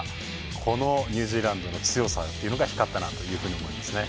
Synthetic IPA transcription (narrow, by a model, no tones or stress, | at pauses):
kʰo̞no̞ɲ̟ʲɯ̟ːʑiːɾãnd̪o̞no̞t͡sɨjo̞sa̰t̪ːe̞iɯ̟noɡahçi̥kat̪ːanat̪o̞jɯ̟ːɸɯ̟ːɲio̞mo̞ĩnd̪esɨne̞